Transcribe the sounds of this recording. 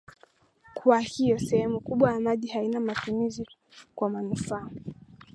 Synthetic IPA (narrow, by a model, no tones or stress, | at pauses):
kwahijɔsɛhɛmukuɓwajamaʄihainamatumizi | kwamanufaː